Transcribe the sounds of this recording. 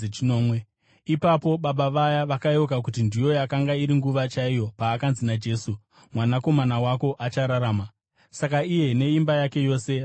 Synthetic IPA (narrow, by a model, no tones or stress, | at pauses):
t͡ʃoːmwe | ipapo̞ɓaɓaʋajaʋakajo̞k̬ak̬ut̬indijo̞jakaŋɡaiɾiŋɡuʋat͡ʃaijo̞paːkanzinad͡ʒe̞ːsu | mwanako̞manawako̞ʔat͡ʃaɾaɾaːma | sakaije̞ne̞imbajake̞jo̞ːse̞